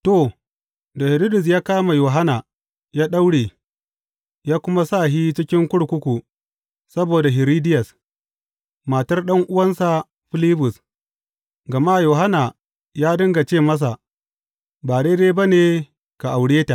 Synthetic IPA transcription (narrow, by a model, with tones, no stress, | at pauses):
to˨ | da˨hɪ˨ɾi˦dʊ˨s̬jaː˦kaː˦ma˨joː˨ɦa˦na˨ | jaː˦ɗa˦wɽeː˨ | jaː˦kʷʊ˦ma˦saː˦˨ɦiː˦t͡ʃɪ˦kʲɪ˦ŋkʷʊ˦ɽkʷʊ˦kʷu˨ | sɐ˦boː˨da˨ɦɪ˨ɾiː˦dɪ˦jɐ˨s | ma˨tɐ˦rɗɐ˦ŋʔʊ˦wɐ˦nsa˨ | ɸɪ˦lɪ˦bʊ˨s | ɡɐ˨ma˦˨joː˨ɦa˦na˨ | jaː˦dɐ˦ŋɡa˨t͡ʃeː˦˨mɐ˦s̬a˨ | baː˨ɽeː˦deː˦ba˦neː˨ | ka˨ʔa˨wɽeː˦ta˨ʔ